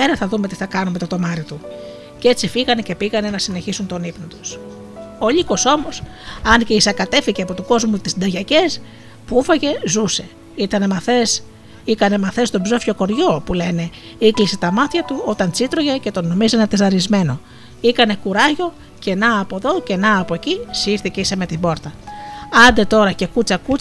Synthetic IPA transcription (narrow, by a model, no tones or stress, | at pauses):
eɾɐθɐðume̞t̪iθɐkɐnumet̪o̞t̪o̞mɐɾit̪u | ce̞t͡sifiɣɐne̞ce̞piɣɐne̞nɐsine̞çisunt̪o̞nipnot̪u̥s | oʎiko̞so̞mo̞s | ɐnceisɐkɐt̪e̞fiʝeɐpo̞t̪uko̞zmut̪isd̪ɐʝɐce̞s | puufɐʝe̞zuse̞ | it̪ɐne̞mɐθes | ikɐne̞mɐθe̞st̪o̞bzo̞fço̞ko̞ɾʝo̞pule̞ne̞ | iklise̞t̪ɐmɐt̪çɐt̪uo̞t̪ɐnt͡sit̪ɾo̞ʝe̞ce̞t̪o̞no̞mizenɐt̪e̞zɐɾizme̞no̞ | ikɐne̞kuɾɐʝo̞ | ce̞nɐːpo̞ðo̞ce̞nɐːpo̞ecisiɾθice̞isɐme̞t̪ibo̞ɾt̪ɐɐnd̪e̞t̪o̞ɾɐce̞kut͡sɐkut͡sɐ